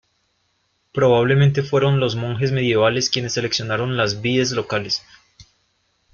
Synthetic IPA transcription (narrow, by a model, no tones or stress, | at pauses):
pɾo̞βaβ̞lemẽnt̪e̞fwe̞ɾo̞nlo̞zmoŋxe̞zme̞ðje̞β̞ale̞skje̞ne̞sːe̞leksjonaɾo̞nlazβiezlo̞kale̞s